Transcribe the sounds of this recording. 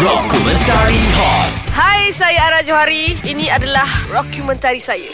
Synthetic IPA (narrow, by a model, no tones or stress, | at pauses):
dɔkumə̃nt̪aɾiɦɔt̚hajsajaːɾad͡ʒoɦaɾiinĩadalahdɔkjumə̃nt̪aɾisaja